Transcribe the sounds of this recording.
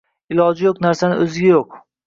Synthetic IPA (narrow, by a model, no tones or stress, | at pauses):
ɪlˠɒd͡ʒɪjoqnaɾsanɪ̰ʔɵzɪɡʲajoq̚